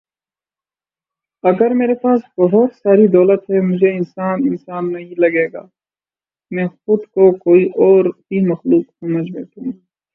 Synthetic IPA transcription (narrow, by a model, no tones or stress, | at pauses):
ɐɡəɾmeːɾepaːsbɐɦʊt̪saːɾid̪ɔːlət̪ɦɛmʊd͡ʒʱeɪnsaːnɪnsaːnːɐɦĩlɐɡeːɡa̰ː | mɛ̃ːxʊd̪kokoːiʔɔːɾbʱimɐxluːqsɐməd͡ʒbeːt̪ũ